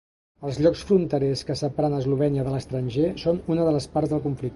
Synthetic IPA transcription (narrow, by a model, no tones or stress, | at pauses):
əlˠzʎɔksfɾunt̪əɾɛskəsəpɾanəzluβ̞ɛniəðələst̪ɾənʲʒesonunəðələspaɾzðəlˠkuɱflik̚t̪